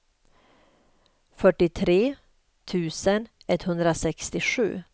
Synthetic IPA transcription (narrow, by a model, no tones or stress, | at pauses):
fœʈːɪt̪ʰɾeː | t̪ʰʉ̟ːsən | ɛt̪ːhɵnd̪ɾasɛkst̪ɪɧʉ̟̰ː